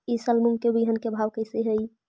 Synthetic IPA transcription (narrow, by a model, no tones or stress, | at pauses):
isəlmuŋɡkebiɦənkebʱawkəɪseɦəj